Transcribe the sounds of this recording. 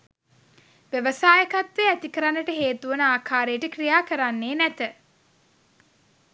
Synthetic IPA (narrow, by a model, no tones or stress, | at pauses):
ʋeʋəsaːjəkat̪ʋeæt̪ikəɾanːəʈəɦeːt̪uʋənəaːkʰaːɾejəʈəkrijaːkəɾanːeːnæt̪ə